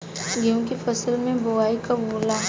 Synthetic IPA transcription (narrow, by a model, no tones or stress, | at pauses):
ɡjõːkifɐsəlmẽbʊwaːikaboːlaː